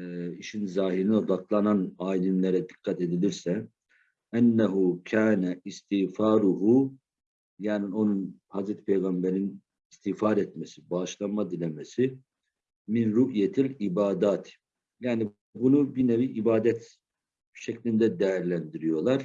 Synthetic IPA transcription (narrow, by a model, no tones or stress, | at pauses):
iʃinzaːɦiɾinɛo̞d̪aklˠananaːilimlʲeɾɛd̪ikʰːat̪e̞d̪ilʲiɾsɛ | ænːaɦucʰaːnæist̪ʰifaːɾuɦu | jaːnio̞nunhazɾɛt̪i̥pʰejɡambeɾin | ist̪ʰifaɾɛt̪mesibaʃlˠanmad̪ilʲemɛsi | minɾuʔjɛt̪ʰilʲibaːd̪aːt̪ʰ | jaːni | bunubineviʔibaːd̪ɛt̪ | ʃeclʲind̪ɛd̪ɛjæɾlʲænd̪iɾijo̞lˠaɾ̥